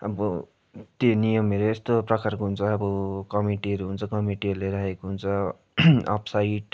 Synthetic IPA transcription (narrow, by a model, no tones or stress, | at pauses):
ʌbʌ | t̪enijʌmeɾoest̪oprʌkarkoɦunt͡sʰʌːbʌkʌmiʈiɦʌɾuɦunt͡sʰʌkʌmiʈiʌɾuleɾʌɦekoɦunt͡sʰʌ | ʌ̰pʰsaiʈ